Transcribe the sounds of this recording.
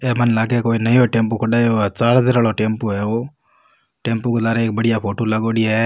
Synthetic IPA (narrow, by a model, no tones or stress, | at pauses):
eːmənlaːɡekoːinəjoʈẽːmpokʰɐɖaːjot͡ʃaːɾd̪eɾaːɭoʈẽːmpoɦɛoː | ʈẽːmpoked̪aːɾeeːk̚bəɽ̤ɪjapʰoːʈoːlaɡoːɽijaɦɛ